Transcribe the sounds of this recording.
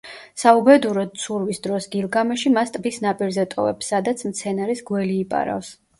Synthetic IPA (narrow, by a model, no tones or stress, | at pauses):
saubɛd̪uɾɔd̪̥̚sʰuɾvisd̪ɾɔsɡilˠɡamɛʃimast̪ʼbisnapʼiɾzɛt̪ʼɔ̰vɛ̰psːad̪at̪sʰmt̪sʰɛnaɾisɡwɛliːpʼa̰ɾa̰fs